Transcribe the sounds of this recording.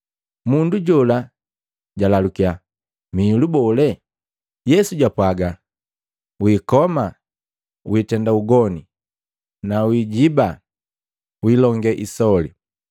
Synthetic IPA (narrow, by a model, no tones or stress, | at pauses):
munduɟɔla | ɟalalukia | milubɔlɛ | jɛsuɟapwaɡa | wiːkɔma | witɛndauɡɔni | nawiɟiba | wilɔŋɡɛʔisɔli